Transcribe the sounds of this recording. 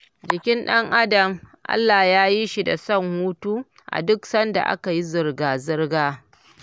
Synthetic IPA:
d͡ʒɪ˨kʲɪ˦nɗɐ˦ŋʔa˦dɐ˨mʔa̰˦lːaː˨jaː˦ji˦ʃi˦˨da̰˨sɐ˦ŋhuː˦tuː˦ | ʔa̰˨dʊ˦ksɐ˦nda̰˨ʔa̰˦ka˨ji˦zɪ˨rɡaː˨zɪ˦rɡaː˦

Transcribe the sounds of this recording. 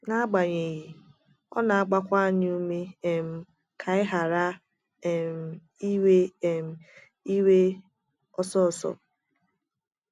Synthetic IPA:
na˦a˦ɡ͡ba˨ɲe˨ɣi˨ | ɔ̰˦na˨a˦ɡ͡ba˦kʷa˦ɲ˦u˦me˦e˨m̩˨ | kʰa˨ɪ˦ɦa˨ɾa˦ | e˨m̩˨ | i˦we˦e˨m̩˨ | i˦we˦ | ɔ˦sɔ˦˨sɔ̰˨

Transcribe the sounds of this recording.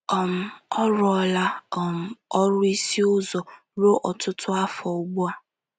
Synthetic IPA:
ɔ˨m̩˨ɔ˦ɾɔ˦la˦ɔ˨m̩˨ɔ˦ɾʊ˦i˦si˦ʊ˦zɔ˨ | ɾo˦ʔɔ˨tʊ˦tʊ˦a˦fɔ˨u˦ɡ͡bu˦a˦

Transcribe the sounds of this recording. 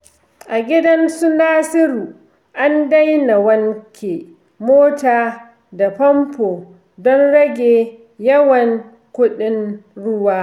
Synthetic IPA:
ʔa˨ɡʲɪ˦dɐ˦nsu˦naː˦sɪ˦ɾuː˨ | ʔa˦nda˦jna˨wɐ˦ŋkʲʰe˨ | moː˦taː˨ | da˨pɐ˦mpoː˨ | dɔ˦nɽɐ˦ɡʲeː˨ | jɐ˦wɐ˨ŋ | kʷʊ˦ɗɪ˦nɽʊ˦waː˦

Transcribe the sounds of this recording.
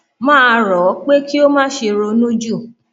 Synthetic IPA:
mãː˦˧ɾɔ˨˦k͡pe˦ki˦o˦mãː˦ʃe˧ɾo˧nũ˦d͡ʒu˦˨

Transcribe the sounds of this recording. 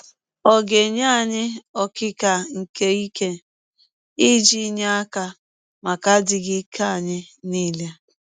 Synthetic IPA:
ɔ˨ɡe˨ɲa˦˨ɲɪ˦ɔ˦kɪ˦ka˨ŋ̩˨ke˦i˦ke˦ | i˦d͡ʒi˦ɲe˦a˦ka˦ | ma˨ka˦dɪ˨ɡɪ˦kʰa˦˨ɲɪ˦niː˦˨le˦

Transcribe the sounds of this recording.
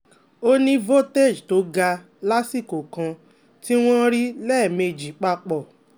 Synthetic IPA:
o˦nĩ˦vo˦te˦˨d͡ʒto˨˦ɡa˧ | la˦si˦˨ko˨kã˧ | ti˦w̃ɔ̃˦ɾi˦lɛ˦˨me˧˨d͡ʒi˨k͡pa˧k͡pɔ˦˨

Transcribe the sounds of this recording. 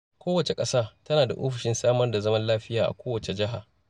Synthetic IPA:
kʷoː˦wɐ˨t͡ʃe˨kʼɐ˦saː˦tɐ˦naː˨da˨ʔo̰ː˦ɸɪ˨ʃɪ˦nsaː˦mɐ˦rda˨zɐ˦mɐ˦nlaː˦ɸɪ˦jaː˨ʔa̰˨kʷoː˦wɐ˨t͡ʃe˨d͡ʒɪ˦ɦa˨

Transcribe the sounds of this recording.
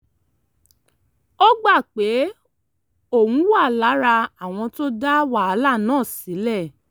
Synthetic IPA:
ɔ˦ɡ͡ba˦˨k͡pe˨˦ | o˦˨wũ˨˦wa˦˨la˨˦ɾa˧a˨w̃ɔ̃˧to˦da˦wa˦˨a˧la˦˨nãː˦˨si˨˦lɛ˦˨

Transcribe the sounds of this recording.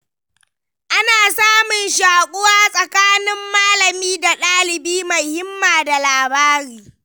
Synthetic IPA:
ʔa˦naː˨saː˦mʊ˨nʃaː˨kʷʼʊ˦waː˦sʼɐ˨kaː˦nɪ˦mːaː˦lɐ˨miː˦da˨ɗaː˦lɪ˨biː˦mɐ˨hɪ˦mːaː˨da˨laː˨baː˦ɾiː˦

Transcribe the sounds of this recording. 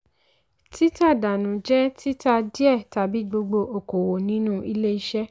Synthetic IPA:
ti˦ta˦˨da˨nũ˨d͡ʒɛ˦ti˦ta˧di˦ɛ˦˨ta˧bi˨˦ɡ͡bo˧ɡ͡bo˧ʔo˨ko˨wo˨nĩ˨˦nũ˦i˧le˦i˧˦ʃɛ˦

